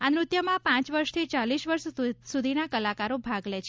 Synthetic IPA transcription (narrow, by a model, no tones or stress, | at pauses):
anɾʊt̪jəmãpãt͡ʃʋəɾʃt̪ʰit͡ʃaliʃʋəɾʃsud̪ʱinakəlakaɾobʱaɡlɛt͡ʃʰe